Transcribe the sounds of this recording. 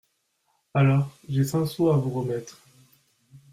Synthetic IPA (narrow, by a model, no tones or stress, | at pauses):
alɔːʁʒesɛ̃soavuʁəmɛt̪χ